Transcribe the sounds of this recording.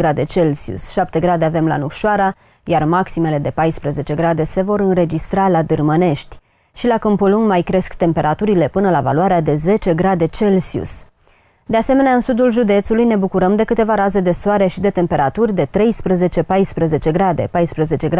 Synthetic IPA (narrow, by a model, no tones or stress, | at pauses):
ɾad̪e̞t͡ʃe̞lsiṵsʃap̚t̪e̞ɡɾad̪eave̞mla̰nukʃoaɾa | jarmaksime̞le̞d̪e̞pajspɾəze̞t͡ʃe̞ɡɾad̪e̞se̞vo̞ɾɨnɾe̞d͡ʒist̪ɾalad̪ɨrməne̞ʃt̪ʲ | ʃilakəmpuluŋmajkɾe̞skt̪e̞mpe̞ɾat̪uɾile̞pɨnəlava̰luaɾead̪e̞ze̞t͡ʃe̞ɡɾad̪e̞t͡ʃe̞lsiṵs | d̪ease̞me̞neaɨnsud̪ulʒud̪e̞t̪sulujne̞bukuɾəmd̪e̞kɨt̪e̞vaɾaze̞d̪e̞soaɾe̞ʃid̪e̞t̪e̞mpe̞ɾat̪urʲd̪e̞t̪ɾe̞jspɾəze̞t͡ʃe̞pajspɾəze̞t͡ʃe̞ɡɾad̪e̞̰pajspɾəze̞t͡ʃe̞ɡɾ